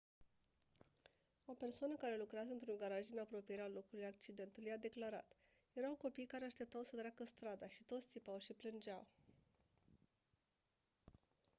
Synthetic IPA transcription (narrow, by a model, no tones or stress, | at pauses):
ope̞rsoanəkaɾe̞lukɾeazəɨnt̪ɾuŋɡaɾaʒd̪inapɾo̞pijeɾealo̞kulujak̚t͡ʃid̪e̞nt̪ulujad̪e̞klaɾa̰t̪ | je̞ɾawko̞pijkaɾe̞aʃt̪e̞p̚t̪awsət̪ɾeakəst̪ɾad̪aʃit̪o̞t̪sʲt̪ipawʃiplɨnd͡ʒaw